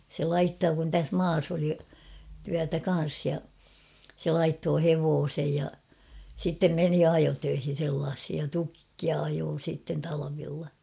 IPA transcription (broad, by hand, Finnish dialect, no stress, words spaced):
se lɑitːoː kun tæs mɑːs oli tyætæ kɑn̞s jɑ se lɑitːoː heʋoːsej jɑ sitːem meni ɑjotøihin̞ selːɑːshij jɑ tukːiɑ ɑjoː siˑtːen tɑlɑʋilːɑ